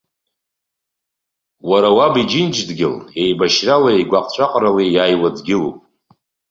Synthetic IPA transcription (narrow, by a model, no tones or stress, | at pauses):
waɾawabid͡ʒɪnd͡ʒdɡʲɪle̞jbaʃralaeɡʷaqʼt͡ɕʷʰʼaqʼralijajwad͡zɡʲɪlṵpʼ